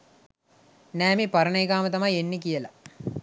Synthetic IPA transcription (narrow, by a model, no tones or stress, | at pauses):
næːmepɐɾəɳəjeɡaːmət̪ɐmɐjenːikijəla